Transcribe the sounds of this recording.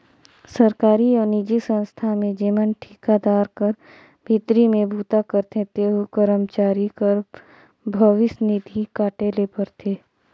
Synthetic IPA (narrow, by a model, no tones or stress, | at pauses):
səɾkaːɾiɔːɾnid͡ʒisə̃nst̪ʰamẽd͡ʒiːmənʈʰiːkad̪aːɾkəɾ | bʱit̪ɾimẽbʱuːt̪akəɾt̪ẽt̪eːɦokəɾəmt͡ʃaːɾikəɾ | bʱəʋɪsnɪd̪ʱikaːʈeːlepɐɾt̪ʰeː